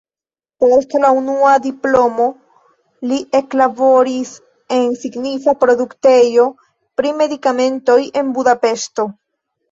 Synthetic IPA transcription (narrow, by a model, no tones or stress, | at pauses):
po̞stlaunuad̪iplo̞mo̞ | liʔe̞klabo̞ɾis | e̞nsiɡnifapɾo̞d̪ukte̞jo̞ | pɾime̞dikame̞nto̞je̞nbudape̞sto̞